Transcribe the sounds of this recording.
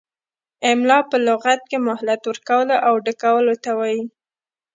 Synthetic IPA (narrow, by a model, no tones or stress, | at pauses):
ɪmlɑpəlʊɣat̪̚kemʊhlat̪wəɾkawəloʔawɖəkawəlot̪awɑji